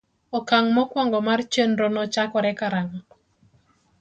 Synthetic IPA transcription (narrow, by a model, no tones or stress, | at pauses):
ɔkaŋmɔkwaŋɡɔmart͡ʃenɾonɔt͡ʃakɔɾɛkaɾaŋa